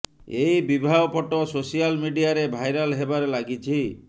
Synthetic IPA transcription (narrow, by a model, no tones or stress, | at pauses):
eibibʱaɔpɔʈɔsosijalmiɖiaɾebʱajɾalɦebaɾelaɡit͡ʃʰi